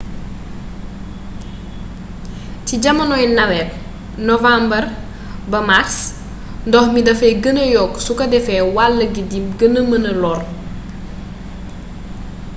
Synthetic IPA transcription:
ciɟɐmɐnɔjnɐwɛp̚ | nɔvambɐr | bɐmaks | ndɔxmidɐfɛɡənəjɔːkːsukɐdɛfɛwalːəɡidimɡənəmənəlɔːr

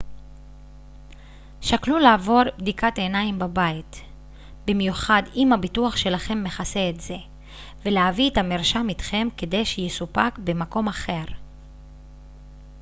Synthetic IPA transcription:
ʃaklulaːvo̞ʁbd̪ikatenaimbabait | bimjuχadimhabituaχʃe̞laχe̞mːe̞χase̞ːtze̞ | ve̞leavietamiʁʃamit̪χe̞mke̞de̞jʃejesupakbe̞mako̞maχe̞ʁ

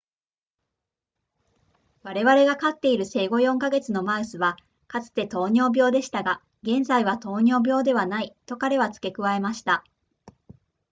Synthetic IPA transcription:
βaɾe̞βaɾe̞ɡakat̪ːe̞iɾɯ̟se̞ːɡo̞jõ̞ŋkaɡe̞t͡sɨno̞maɯ̟sɨβa | kat͡sɨ̥t̪e̞t̪o̞ːɲ̟o̞ːbʲjo̞ːd̪e̞ɕi̥t̪aɡa | ɡẽ̞nzaiβat̪o̞ːɲ̟o̞ːbʲo̞ːd̪e̞βanait̪o̞kaɾe̞βat͡sɨ̥ke̞kɯ̟βae̞maɕi̥t̪a

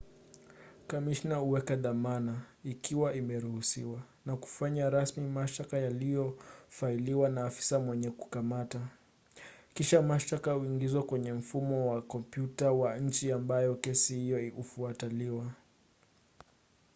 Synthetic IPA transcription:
kamiʃnauwɛkaðamana | ikʰiwaimɛɾuhusḭwa | naku̥faɲaɾasmimaʃtakajalijɔfailiwanaːfi̥samwɛɲɛku̥kamata | kiʃamaʃtakahuiŋɡizwakwɛɲɛm̩fumɔwakɔmpjutawaɲ̩t͡ʃiambajɔkɛsihijɔiufuataliwa

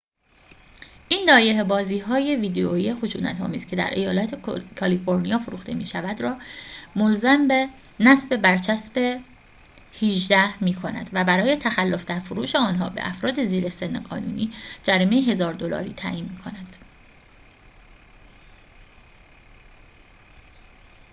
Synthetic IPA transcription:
ʔiːnd̪ɒːje̞ɦebɒːziːɦɒːje̞viːd̪eoijexoʃuːnæ̰t̪ʰhɒ̰ːmiːscʰe̞d̪æ̰ɾʔe̞̰jɒːlæt̪ʰekʰɒlifo̞ɾnijɒːfoɾuːxt̪e̞̰miːʃævæd̪rɒːmolzæmbenæsbe̞bæɾt͡ʃʰæsbe̞ | hiʒd̪æhmiːkʰo̞næ̰d̪̥væbæɾɒːje̞t̪ʰæxælːo̞fd̪æɾfoɾuːʃeɒːnɦɒːbḛʔæ̰fɾɒːd̪e̞ziːɾese̞nːḛɡɒ̰ːnṵːniːd͡ʒæɾime̞jeɦe̞zɒːɾd̪olɒ̰ːɾḭːt̪ʰæ̰ːʔiːnmiːkʰo̞næd̪̥

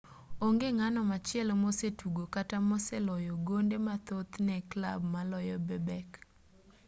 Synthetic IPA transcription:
oŋɡeŋanɔmat͡ʃɪɛlmosetuɡokatamɔsɛlɔjɔɡondemat̪ot̪nɛkla̰bmalɔjɔbɛbɛk

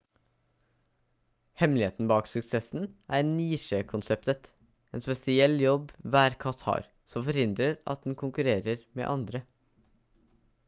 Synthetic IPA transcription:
hɛmlɪheːt̪n̩bɑːksʉksɛsn̩ʔæːɾniːʃeːkʰʊnsɛpt̪ət̪ | eːnspɛsɪɛlːjɔbʋæːɾkʰɑt̪ʰɑ̰ːɾ | sɔmfɔɾhɪnd̪ɾəɾɑ̰t̪̚d̪n̩kʰʊŋkʉɾeːɾəɾmḛːʔɑnd̪ɾə

